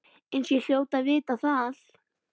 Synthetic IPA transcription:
ɪnsjɛɬjoːwt̪avɪːt̪aθal

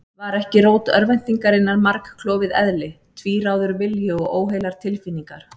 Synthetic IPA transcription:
vaɾɛhcɪɾoːwt̪œɾvɛn̥t̪iŋkaɾɪnːaɾmaɾkʰlɔːvɪðɛðlɪ | t̪ʰviːɾaːwðʏɾvɪljʏɔɣoːwɦejlaɾ̥t̪ʰɪlfinːiŋkaɾ̥

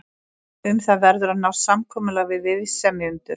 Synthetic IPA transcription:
ʏmθaðvɛɾðʏɾanawɾsamkʰɔːmʏlaɣvɪðvɪðsɛmɪʏmt̪ʏɾ̥

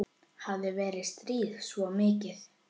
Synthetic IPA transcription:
havðɪvɛːɾɪst̪ɾiːðsvɔmɪːcɪθ

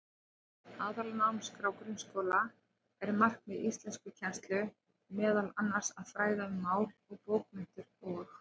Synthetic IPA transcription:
aːðalanawmskɾawkɾʏnskowla | ɛɾmar̥kmɛðist̪lɛnskʏcʰɛn̥st̪lʏ | mɛːðalanːar̥saðfɾaːjðaʏmːaːwlɔɣpoːwk̚mɪn̥t̪ʏɾɔ

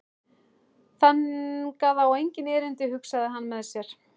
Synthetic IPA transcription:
θankaðawejɲcɪnɛːɾɪnt̪ɪhʏksaðɪɦanːmɛðsjɛɾ̥

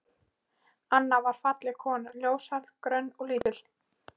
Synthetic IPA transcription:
anːavaɾ̥fat̪lɪkʰɔːnʏljoːwsaɾðkɾœnːɔɣliːt̪ɪl̥

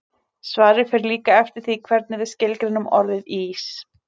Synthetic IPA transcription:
svaːɾɪfɛɾliːkaɛft̪ɪɾ̥θikʰvɛɾt̪̚nɪvɪðscɪlkɾɪnʏmɔ̰ɾlðɪðiiːs

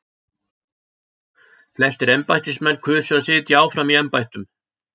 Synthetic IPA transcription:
flɛst̪ɪɾɛmpajht̪ɪsmɛnːkʰʏːsʏasɪːt̪jiaːwfɾamiɛmpajht̪ʏm

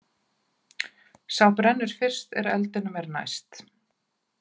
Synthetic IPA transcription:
sawpɾɛnːʏɾ̥fɪr̥st̪ɛ̰ɾɛ̰lt̪ɪnʏmɛɾna̰jst̪

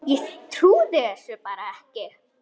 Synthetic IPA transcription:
jɛt̪ʰɾuːðɪɛsɛpaːɾaɛhcɛɾ

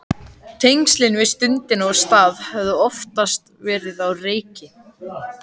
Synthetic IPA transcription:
t̪ʰejŋkst̪lɪnvɪst̪ʏnt̪ɪnɔɣst̪aːðhɛvðʏɔft̪ast̪vɛːɾɪðawreːjcɪ

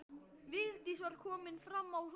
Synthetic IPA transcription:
vɪðt̪isvaɾ̥kʰɔːmɪnfɾamːawθ

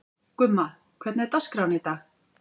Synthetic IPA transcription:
kʏmːa | kʰvɛt̪nɛɾt̪askɾawnɪt̪a

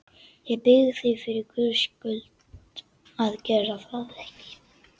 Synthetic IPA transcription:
jɛpɪɣðɪθifɪɾɪɾkʰʏskʏlt̪ | aðcɛːɾafɾaððɛhcɪ̥

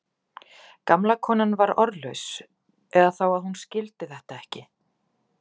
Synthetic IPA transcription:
kamlakʰɔːnanvaɾɔɾlœɥs | ɛðaθawaðhunscɪlt̪ɪθɛht̪aɛhcɪ

